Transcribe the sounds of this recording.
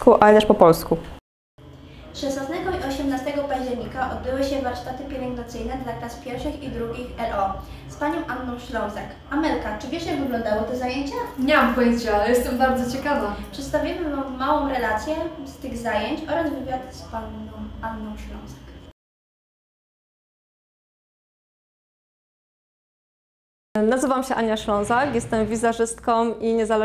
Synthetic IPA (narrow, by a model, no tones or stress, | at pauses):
kuʔalɛt̪ɛʂpɔpɔlsku | ʂɛsnasnɛɡɔiɔɕɛmnast̪ɛɡɔpaʑd͡ʑɛɾɲikaʔɔd̪̚bɘwɘɕɛvaɾʂt̪at̪ɘpʲjɛlɛŋɡd̪at̪sɘjnɛd̪lak̪aspʲjɛɾfʂɘxid̪ɾuɡʲixɛlʔɔ | spaɲɔ̃w̃ʔanːɔ̃w̃ʂlɔ̃w̃sɛk | amɛlkat͡ʂɘvʲjɛʂɲɛvɘɡlɔ̃nd̪awɔt̪ɔzajeɲt͡ɕaɲɛmamkɔjɛst͡ɕɛajɛst̪ɛmbaɾd̪zɔt͡ɕɛkavaʂɨt̪st̪avʲjimɘvamvmawɔ̃w̃ɾɛlat̪sʲjɛst̪ɘɣzajeɲt͡ɕɔɾazvɘvʲjat̪spaɲɔ̃w̃ʔanːɔ̃w̃ʂlɔ̰̃w̃sɛ̥k | nazɘvamɕɛʔaɲjaʂlɔ̃w̃zakjɛst̪ɛmvʲizaʐɘst̪kɔ̃mʔiɲɛzalɛ